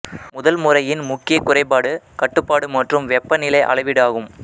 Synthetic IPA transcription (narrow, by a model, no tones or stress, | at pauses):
mʊðɐlmʊrɐjɪnmʊkːɪjɐkːʊrɐɪpːaːɽɯkɐʈːɯpːaːɽɯmɐʈrɯmʋɛpːɐnɪlɐɪʔɐ̰ɭɐɪʋɪɽaːɣɯm